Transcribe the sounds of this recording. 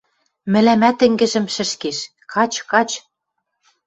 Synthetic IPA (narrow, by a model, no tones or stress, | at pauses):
mɘ̆læmæt̪ɘ̆ŋɡɘ̆ʒɘ̆mʃɘ̆ʃkeʃ | kɑt͡ɕkɑt͡ɕ